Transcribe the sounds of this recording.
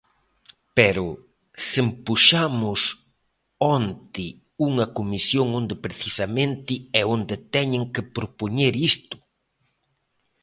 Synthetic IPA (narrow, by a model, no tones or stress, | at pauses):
pɛɾʊ | sɪmpuʃamʊs | ɔnt̪ɪ | uŋɐkomisjoŋõnd̪ɪpɾeθisɐmẽnt̪ɪɛond̪ɪt̪ɛɲɪ̃ŋkɪpɾopoɲeɾist̪ʊ̥